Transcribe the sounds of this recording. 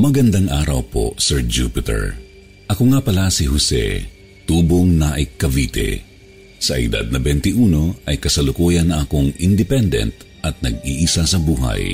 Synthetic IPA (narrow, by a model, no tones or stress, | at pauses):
mɐɡɐnd̪aŋʔaːɾɐwpo̞̰sɛɹd͡ʒuːpɪt̪ɛ̰ɹ | ʔɐkoŋapɐlasiɦʊsɛ̰ | t̪uːbo̞ŋnaʔɪkːɐviːt̪ɛ̰ | sɐʔɪ̰d̪a̰d̪̚nɐbɛnt̪ɪʔuːno̞ʔɐjkɐsɐlʊkujɐnːɐʔɐkoŋɪnd̪ɪpɛnd̪ɛ̰nt̪̚ | ʔɐt̪̚nɐɡ̚iːʔisasɐbuːɦɐ̰j